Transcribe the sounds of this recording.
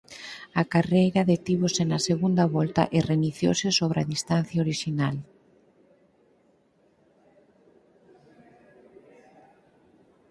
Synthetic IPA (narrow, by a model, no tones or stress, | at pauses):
akarejɾaðet̪iβosenaseɣund̪aβɔlt̪a̰ʔɪreniθjo̰wsɪsoβ̞ɾa̰ðist̪an̟θjaoɾiʃinal